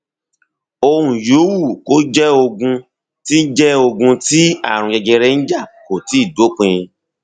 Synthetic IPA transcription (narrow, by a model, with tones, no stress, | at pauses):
o˧ɾũ˨ju˨˦wu˦˨ko˦d͡ʒɛ˦o˧ɡũ˧ | ti˦d͡ʒɛ˦o˧ɡũ˧ti˦a̰˦˨ɾ̃ũ˧d͡ʒɛ˧d͡ʒɛ˧ɾɛ˦n̩˦d͡ʒa˦˨ko˨ti˨˦i˦˨do˨˦k͡pẽ˧jĩ˧